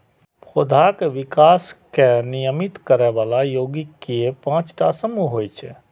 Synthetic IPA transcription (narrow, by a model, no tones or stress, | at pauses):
ʊd̪ʱakeʋɪkaːskenijəmit̪kəɾɛʋaːlajoːɡikiepãːt͡ʃʈasəmuɦojt͡ʃʰɛ̰